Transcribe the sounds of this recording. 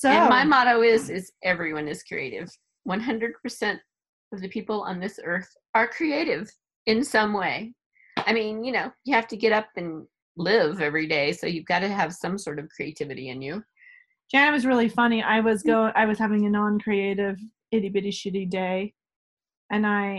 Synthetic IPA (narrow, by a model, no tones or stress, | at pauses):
sõmaɪmɑɾoʊɪzɪzʔɛvɹiwʌ̃nɨz̥kʰɹ̥ḭḛɪɾɪ̰v̥ | wʌ̃nɦʌ̃ndɹɨd̚pʰə˞sɛ̃nt̚ | ʌvðɨpʰipl̩ˠə̰̃nðɪsɜ˞θ | ə˞kʰɹ̥ieɪɾɪv | ɨ̃nsʌ̃mweɪ | aɪmĩnjɨnoʊjɨhæftɨɡɛɾʌp̚ɨ̃n | lɪvɛvɹideɪsoʊjɨvɡɑɾɨːv̥sʌ̃msɔɹɾʌv̥kʰɹ̥ieɪtʰɪvɨɾḭɨ̰̃njʉ | d̥æ̃nwʌzɹɪlˠifʌniʔa̰ɪwʌzɡoʊɪ̃ʔaɪwʌz̥hævɪ̃ŋɨnɑ̃nkʰɹ̥ieɪɾɪv | ɪɾibɪɾiʃɨɾideɪ | ɨ̃naɪ